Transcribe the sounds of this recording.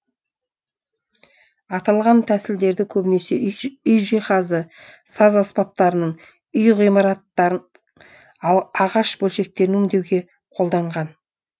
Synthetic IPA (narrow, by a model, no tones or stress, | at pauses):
ɑt̪ɑlˠʁɑnt̪ʰæsɪld̪e̞ɾd̪ɪkʲʰɵbɪne̞se̞ʏjʒiχɑzə | sɑzɑspɑp̚t̪ɑɾənəɴ | ʏjʁijmɑɾɑt̪ːɑɾən | ɑlˠɑʁɑʃbɵlʃe̞k̚t̪e̞ɾɪnɵŋd̪e̞wɡʲe̞ | qʰo̞lˠd̪ɑɴʁɑn